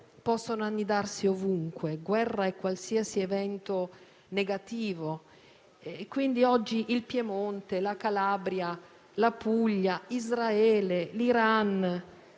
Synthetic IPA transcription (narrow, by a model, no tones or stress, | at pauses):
pɔsːonoanːid̪arsiovuŋkweɡwɛrːaɛkːwalsiasievɛnt̪o | neɡat̪iːvo | kwind̪iɔd͡ʒːiʔilpjemont̪elakalaːbɾja | lapuʎːaizɾaɛːleliɾan